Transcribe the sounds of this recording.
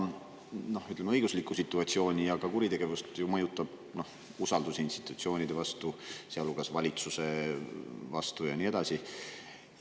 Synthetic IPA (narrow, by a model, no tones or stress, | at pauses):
no̞hyt̪lemeɤjɡ̥uslikːˑusit̪ːˑuɑt̪sio̞ːnʲijɑɡɑkuɾit̪e̞ɡ̥e̞vust̪jumɤ̞jut̪ːˑɑb̥ | no̞h | usɑld̪̥usinst̪i̥t̪ˑut̪sio̞ːnʲid̪̥e̞vɑst̪useɑlːuɡɑsvɑlʲit̪suse̞ | vɑ̰st̪ujɑnie̞d̪̥ɑsi